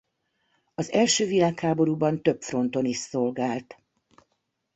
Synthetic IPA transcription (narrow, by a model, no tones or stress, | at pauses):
ɒzɛlʃøːvilaːkhaːbo̞ɾuːbɒnt̪ø̞pfro̞nt̪o̞niʃso̞lɡaːlt̪